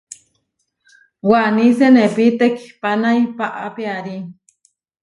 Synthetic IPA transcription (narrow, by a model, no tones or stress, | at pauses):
wanisenepit̪ekʰi̥panajpaʔapiaɾi